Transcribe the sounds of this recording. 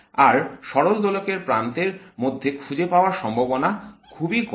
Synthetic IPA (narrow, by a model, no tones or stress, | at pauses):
aɾʃɔɾold̪olokeɾpɾant̪eɾmod̪ʱːekʰud͡ʑepaoaɾʃɔmbʱabonakʰubik